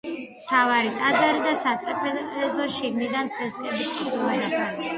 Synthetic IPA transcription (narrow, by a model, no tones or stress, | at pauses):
mt̪ʰavaɾit̪ʼad̪zaɾid̪asat̪ʼɾɛpʰɛɛzɔʃiɡnid̪ant̪ʰɾɛskʼɛbit̪ʰʼiɾulanaχa